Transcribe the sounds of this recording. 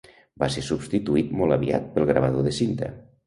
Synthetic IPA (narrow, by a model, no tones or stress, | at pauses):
basesubst̪it̪uit̪mɔlˠəβia̰t̪̚pəlˠɣɾəβ̞əðoðəsint̪ə̰